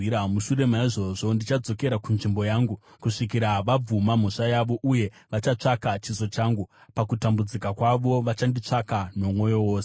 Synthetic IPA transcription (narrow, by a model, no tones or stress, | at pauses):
iɾamuʃuɾe̞maiʐo̞ʐo̞ndit͡ʃad͡zo̞ke̞ɾakunʐimbo̞jaːŋɡu | kuʂik̬iɾaʋab͡vumam̤oʂajaʋo̞ʔuje̞ | ʋat͡ʃat͡ʂakat͡ʃizo̞t͡ʃaːŋɡupakutambud͡zikakwaʋo̞ʋat͡ʃandit͡ʂakano̞mwo̞jo̞woːse